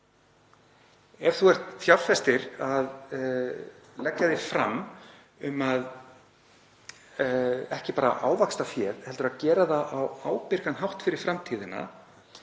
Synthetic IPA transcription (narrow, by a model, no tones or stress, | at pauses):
ɛv̥θuɛr̥t̪θjawɾfɛst̪ɪɾað | lɛkːaðɪfɾa̰m | ʏmað | ɛhcɪpaːɾa̰ʔaːwvakst̪afjɛːɾhɛlt̪ʏɾaðcɛːɾaðaʔawaːwpɪɾkanɦawht̪fɪɾɪɾ̥fɾamt̪ʰiːðɪna̰